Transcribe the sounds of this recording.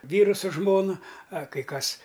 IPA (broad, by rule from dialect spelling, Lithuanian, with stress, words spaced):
ˈʋʲiːrʊ sʊ ˈʒmoːnɐ ɐ kɐɪ ˈkɐs